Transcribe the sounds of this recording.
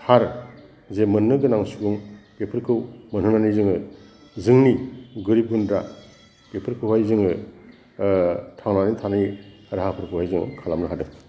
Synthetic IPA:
haɾ | zemɯnːɯɡɯnaŋsuɡɯŋpepʰɯɾkʰɯwmɯnɦɯnanijzɯŋɯ | zɯŋniɡɯɾib̚ɡundɾa | pepʰɯɾkʰɯwhajzɯŋɯ | tʰaŋnanitʰani | ɾaɦapʰɯɾkʰɯwhajzɯŋɯ̰kʰalamnɯɦadɯ

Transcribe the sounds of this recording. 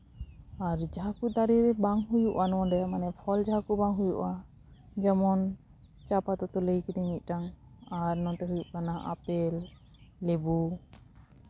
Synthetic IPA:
aɾd͡ʒaɦakud̪aɾiɾɛbaŋɦujuʔanɔwɔ̃dɛamanɛpʰɔld͡ʒaɦakubaŋɦujuʔa | d͡ʒɛmɔn | t͡ʃapat̪ɔt̪ɔləjkid̪imic̪̚ˀʈaŋaɾnɔ̃t̪ɛɦujuʔkanaʔa̰pɛlː | ɛbu

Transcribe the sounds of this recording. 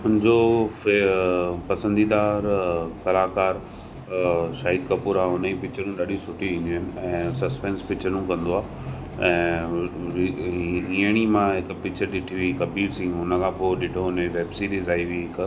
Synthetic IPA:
ʊnɪ̃d͡ʑo | pɐsə̃nd̪id̪aːɾkɐlaːkaːɾ | ʃaːɦiːd̪̚kɐpuːɾaːʊnəipɪt͡ɕʰənũɗaːɗʱisʊʈiʋĩːnd̪iɦɪnɪ̆ɛ̃ːsɐspẽːnspɪt͡ɕʰənũkɐ̃nd̪oaː | ɛ̃ː | ĩːəɽ̃imãɦɪkpɪt͡ɕʰəɾɗ̪ɪʈʰiʋikɐbiːɾsĩːʊnəkʰãːpoːɪɗɪʈʰoʊneʋeːbsit̪izaːiʋiɦɪk

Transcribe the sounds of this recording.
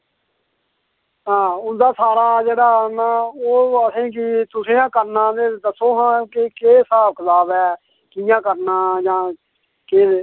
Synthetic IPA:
ɦãːʊnd̪aːsaːɾaːd͡ʒeːɽaːnaːoːəsẽːk̬ɪt̪ʊsẽːãːkəɾnãːd̪eːd̪əsõːɦãːkekeːsaːb̚kət̪aːbɛː | kɪjãːkəɾnaːd͡ʒãː | keː

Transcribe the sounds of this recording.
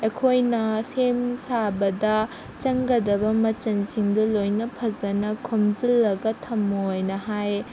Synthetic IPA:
ekʰojnɐsemsabɐdɐ | t͡ʃɐŋɡɐdɐbɐmɐt͡ʃɐnsiŋdɐlojnɐpʰɐzɐnɐkʰomzilːɐɡɐtʰɐmːɐojnɐɦaj

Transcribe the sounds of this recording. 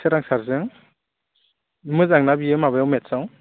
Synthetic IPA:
sɯɾaŋsaɾzɯŋ | mɯzaŋnabiemabajawmetsaw

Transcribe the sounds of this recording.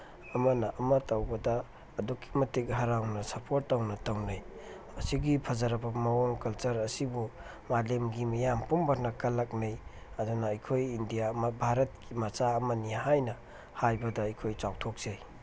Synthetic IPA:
ɐmɐnɐʔɐmɐtɐwbɐdɐː | dukːi̥mɐtekɦɐɾawnɐsɐpʰoɾtːawnɐtawnaj | ɐsiɡipʰɐzaɾɐbɐmɐwoŋkɐlt͡ʃɐɾɐsibu | malemɡimɐjampumbʱaɾnɐkɐlɐk̚nɐj | ɐdunɐːjkʰojindijamɐbʱaɾɐt̚kimɐt͡ʃaɐmɐnihajnɐ | hajbɐdɐːjkʰojt͡ʃawtʰok̚z̥ej

